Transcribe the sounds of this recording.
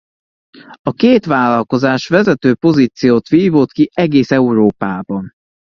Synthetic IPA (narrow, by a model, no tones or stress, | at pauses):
ɒkeːt̪ʋaːlɒlko̞zaːʃʋɛzɛt̪øːpo̞ziːt̪sijoːt̪ʋiːvot̪kiɛɡeːsɛuɾoːpaːbɒn